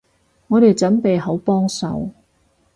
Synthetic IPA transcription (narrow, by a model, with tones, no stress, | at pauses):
ŋɔː˨˧ɾe˨jt͡sɐ˨˥npe˨jɦo˨˥wpɔː˥ŋsɐ̰˨w